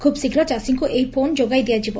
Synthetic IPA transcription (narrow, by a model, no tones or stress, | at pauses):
kʰubsikʰɾɔt͡ʃasiŋkuʔejpʰond͡ʒoɡajd̪ejad͡ʒibɔ